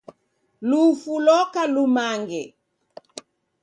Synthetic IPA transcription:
lufulɔkalumaŋɡɛ

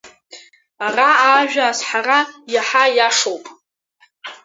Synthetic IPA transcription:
araaːʒᶣaːsħarajaħajaʂowpʼ

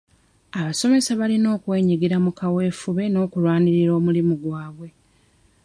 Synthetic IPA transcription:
aβaso̞me̞saβalino̞ːkwe̞ːɲiɡiɾamukawe̞ːfuβe̞no̞ːkulwaːniɾiɾo̞ːmulimuɡwaːβwe̞

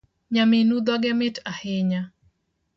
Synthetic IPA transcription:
ɲaminud̪aɡɛmɪtahɪɲa

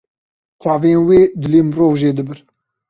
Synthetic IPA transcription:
t͡sɑːveːnweːd̪ɪleːmɾoːvʒeːd̪ɨbɨɾ

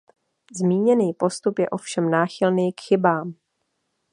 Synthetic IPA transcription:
zmiːɲɛniːpo̞st̪upjɛ̰ʔo̞fʃɛmnaːxɪlniːkxɪbaːm

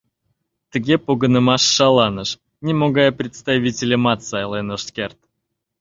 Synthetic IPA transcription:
t̪ɨɡʲepoɡənəmaʂːalˠanəʂ | nʲɪmoɡajəpɾʲɪt̪st̪avʲitʲɪlʲəmat̪sajlˠɛnoʂskʲert̪

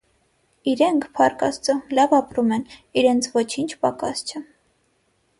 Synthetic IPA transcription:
iɾɛŋkʰpʰɑɾkɑ̰st͡səlɑvɑpɾumɛniɾɛnt͡sʰvɔt͡ʃʰint͡ʃʰpɑkɑ̰st͡ʃʰə

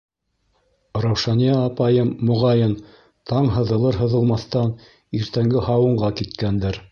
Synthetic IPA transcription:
ɾɑwʃɑnijɑːpɑjɤmːŏʁɑjɤn | t̪ʰɑɴɦɤ̆ðɤ̆lˠɤɾɦɤ̆ðɤ̆lˠmɑθt̪ɑn | iɾt̪æŋɡɘhɑwɤ̆ɴɢɑkit̪kænd̪ɘɾ

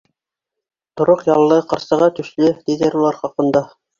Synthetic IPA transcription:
t̪ŏɾoqjɑlˠːɤqɤ̆ɾsɤ̆ʁɑt̪ɵ̆ʃlɘd̪iðɘɾulˠɑɾχɑqɤ̆nd̪ɑ

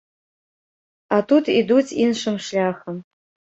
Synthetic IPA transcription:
atʰutʰidutʰinʂɨmʂlʲaːxəm

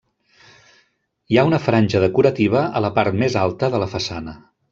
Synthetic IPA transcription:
iaunəfɾanʲʒəðəkuɾət̪iβ̞əələpaɾt̪mezalˠt̪əðələfəsanə

